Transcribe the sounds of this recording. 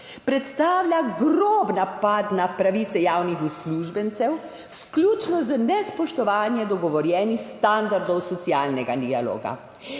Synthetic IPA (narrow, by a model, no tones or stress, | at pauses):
pɾɛt̪st̪aːwlʲjʲaɡɾoːbnapat̪napɾaʋiːt̪ɛjaːwnixusluːʒbɛnt̪sɛw | sklʲut͡ʃnɔzənɛspɔʃt̪ɔʋaːnjɛd̪ɔɡɔʋɔɾjɛːnixst̪and̪aɾd̪ɔwsɔt̪siaːlnɛɡad̪ialo̰ːɡa̰